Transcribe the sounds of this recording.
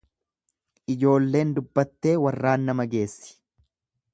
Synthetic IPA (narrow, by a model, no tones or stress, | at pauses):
ʔɪd͡ʒo̞ːlːe̞ːnd̪ʊbːɐt̪ːe̞ːwɐrːaːnːɐmɐɡe̞ːsːɪ̥